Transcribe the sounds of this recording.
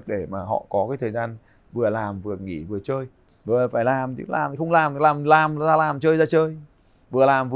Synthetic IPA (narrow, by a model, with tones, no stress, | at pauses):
k̚ɗe˧˩maː˨˩ɦɔ̰˧˨kɔ˨˦kaː˨˦t̪ʰəː˨˩jzaː˧n | vɨ˨˩əlaː˨˩mvɨ˨˩əŋḭ˧˩vɨ˨˩ət͡ɕəː˧j | vɨ˨˩əfaː˧˩jlaː˨˩mt̪ɨ̰˧˦la̰ː˨˩m˨xə˧wŋ͡mlaː˨˩mlaː˨˩mlaː˨˩mzaː˧laː˨˩mt͡ɕəː˧jzaː˧t͡ɕəː˧j | vɨ˨˩əlaː˨˩mvɨ˨